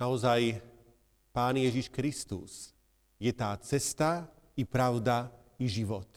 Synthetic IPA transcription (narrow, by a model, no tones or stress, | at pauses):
naɔzaj | paːnjɛʒiʃkɾist̪ṵs | jɛt̪aːt͡sɛst̪a | ipɾaʊd̪a | iʒiʋɔt̪